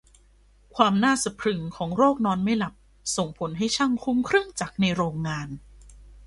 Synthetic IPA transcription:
kʰwaː˧mnaː˥˩sa˨˧pʰɾɯ˧ŋkʰɔː˩˦ŋɾoː˥˩k̚nɔː˧nma˥˩jla˨˩p̚ | so˨˩ŋpʰo˩˦nɦa˥˩jt͡ɕʰa˥˩ŋkʰu˧˥mkʰɾɯ˥˩ŋt͡ɕa˨˩k̚na˧jɾoː˧ŋːaː˧n

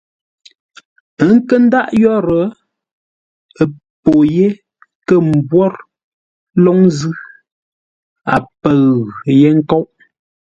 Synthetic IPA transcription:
ə˦ŋ̩˦kə˦n̩˦da˦ʔjɔ˦ɾə˨˦ | ə˨ | po˨je˦ | kə˦˨m̩˨bwɔ˦ɾ | lɔ˦ŋzɯ˦ | a̰˨pə˨ɣje˦ŋ̩˦kɔ˦wʔ

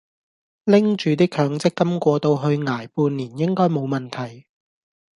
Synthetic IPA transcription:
lɪ˥ŋt͡ʃyː˨˧t̪iː˥kʰœː˨˧ŋt͡sɪ˥kːɐ˥mkʷɔː˧t̪o˧wɦɵ˧ɥŋaː˨˩jpuː˧nːiː˨˩njɪ˥ŋkɔː˥jmo˨˧wmɐ˨nt̪ʰɐ˨˩j

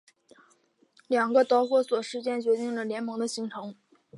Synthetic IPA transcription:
ljɑ˨˩ŋɡə˦t̪ɑ˧˥ʊxwɔ˥˩swɔ˨˩ʂɻ̩˥t͡ɕjɛ˥˩nt͡ɕɥɛ˧˥t̪i˥˩ŋlə˩ljɛ˧˥nmɤ˧˥ŋd̪ə˧ɕi˧˥ŋʈ͡ʂʰɤ˧˥ŋ

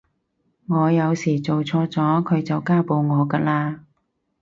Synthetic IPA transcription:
ŋɔː˨˧jɐ˨˧wsiː˨˩t͡so˨wt͡sʰɔː˧t͡sɔː˨˥kʰɵ˨˧ɥt͡sɐ˨wkaː˥po˧wŋɔː˨˧kɐ˧laː˧

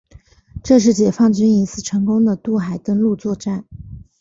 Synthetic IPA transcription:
ʈ͡ʂɤ˥˧ʂ̬ɻ̩˥˩t͡ɕjɛ˨˩fɑ˥˩ŋt͡ɕy˥ni˧˥sɹ̩˥˩ʈ͡ʂʰɤ˧˥ŋkʊ˥ŋd̪ə˨t̪u˥˩xa˨˩ɪt̪ə˥ŋlu˥˧t͡swɔ˥˧ʈ͡ʂa˥˩n

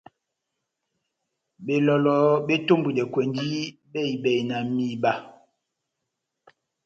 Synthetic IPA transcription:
be˨lɔ˨lɔ˨˦be˦to˦mbu˨dɛ˨kwɛ˨ndi˦ | bɛ˦˨i˨bɛ˨jna˨mi˦˨ba˦˨

